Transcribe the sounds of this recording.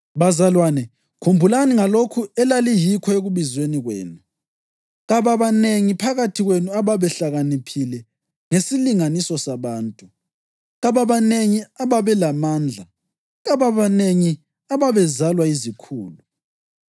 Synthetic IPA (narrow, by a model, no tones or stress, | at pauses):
βazalwaːnɛ | kʰumbʱulaniŋalokʰuɛlalijikʰɔeɣuβizweniɣwḛːnu | ɣaβaβaneŋipʰaɣatʰiɣwenuaβaβɛɬaɣanipʰilɛ | ŋesiliŋanisɔsaβaːntʼu | ɣaβaβaneŋiaβaβɛlamaːnd͡ɮʱa | ɣaβaβaneŋi | aβaβɛzalwaizikʰṵːlu